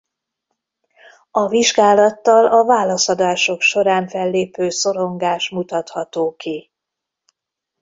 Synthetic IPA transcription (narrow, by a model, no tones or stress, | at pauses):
ɒviʒɡaːlɒt̪ːɒlɒvaːlɒsɒd̪aːʃo̞kʃo̞ɾaːɱfɛlːeːpøːso̞ɾo̞ŋɡaːʃmut̪ɒt̪hɒt̪oːki